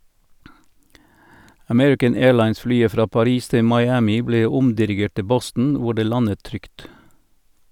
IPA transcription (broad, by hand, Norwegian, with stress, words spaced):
əˈmɛɹɪkən ˈeːlɑɪnsˌflyːə ˈfɾɑː pɑˈɾiːs ˈtɪ mɑɪˈæːmɪ ˈbleː ˈʊmdɪɾɪˌɡeːʈ ˈtɪ ˈbɔstn̩ ˈʋʊ ˈɖeː ˈlɑnət ˈtɾʏkt